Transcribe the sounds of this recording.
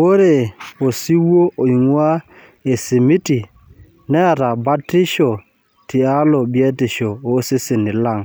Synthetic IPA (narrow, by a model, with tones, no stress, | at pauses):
wo˦ɾe˨o˨si˦wo˦ʔo˨i˨ŋwa˦ | e˨si˨mi˦ti˨ | nɛ˦a˨ɾa˨ba˦ti˦ʃo˨ | ti˨a˦lo˨bje˦ti˨ʃo˨o˦si˦si˨ni˨la˦˨ŋ